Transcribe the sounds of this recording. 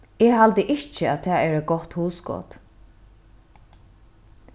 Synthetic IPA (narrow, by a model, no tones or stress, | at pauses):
ɛɦalt̪əʔɪt͡ʃəæt̪ʰɛːɛːɹɛɡɔht̪huːsɡɔ̰ːt̪